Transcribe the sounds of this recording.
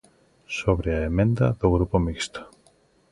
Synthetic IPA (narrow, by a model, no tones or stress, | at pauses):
soβɾeaemẽnd̪ɐ̰ðʊɣɾupomikst̪o̥